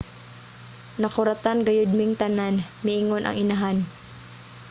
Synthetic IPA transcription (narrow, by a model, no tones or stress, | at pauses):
nɐkʊɾɐt̪anɡɐjʊd̪̚mɪŋt̪ɐnanmɪʔɪŋonʔɐ̰ŋɪnaɦan